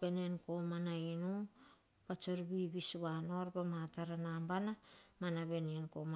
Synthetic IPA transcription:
be̞nenko̞manainu | pat͡ʃoɾbiβisβano̞ɾbemataɾanambanamanabe̞nienkoma

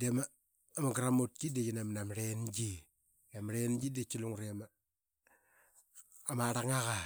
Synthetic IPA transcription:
demaː | maɡɾamot̚kidet͡ʃinamnamɾend͡ʒi | namɾend͡ʒidet͡ʃːiluŋɾeama | maɾaŋaka

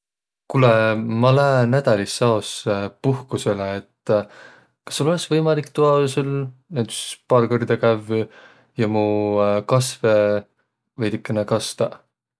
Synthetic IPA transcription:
kulɛmɑlænæd̪̥ɑlʲisːɑospuhkuse̞leet̪ː | kɑ̥sːulo̞leksvɤjmɑlikːt̪uɑsulnent̪y̥spɑːlkord̪̥ekæv | jɑmukɑsve | vɤjd̪ikˑːenekɑst̪ɑ

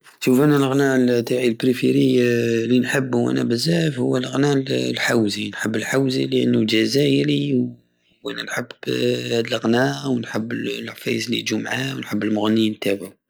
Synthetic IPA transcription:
ʃufʔænælɣnælt̪aʕilbɾifiɾijlinħəbːwʔæ̰næ̰bəzæfhʊwːælɣnællħawzinħəbːəlħawzḭləʔənːud͡ʒæzæjəɾi | ʔænænħəbhæd̪əlɣnæwənħəbːlʕfæ̰jəzliʔd͡ʒumʕawnħəbːəlmʊɣnint̪æba

